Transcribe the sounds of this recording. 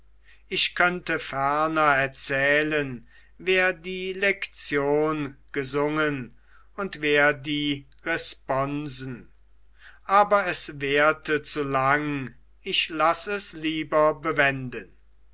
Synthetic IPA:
ʔɪçkʰœntəfɛɐnɐɛɐt͡sɛːlən | veːɐdiːlɛkt͡sjoːnɡ̥əzʊŋən | ʊntv̥eːɐdiː | ʁɛspɔnzn̩ | ʔaːbɐɛsveːɐtʰət͡sulaŋ | ɪʃlasɛsliːbɐbəvɛndən

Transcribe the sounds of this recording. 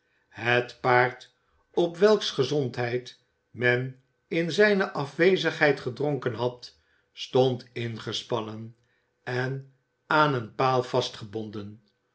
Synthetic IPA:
ɦətpaːɹt | ɔpʋɛlˠksχəzɔntɦɛjt | mɛn | ɪnzɛjnəʔɑfʋejzəχɦɛjtχədroŋkənɦɑt | stontɪnχəspɑnən | ɛn | aːnənpaːlˠv̥ɑstχəbɔndən

